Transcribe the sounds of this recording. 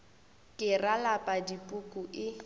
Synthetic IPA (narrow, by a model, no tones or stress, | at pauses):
kʼɪralapʼadipʼʊkʼʊʔɪ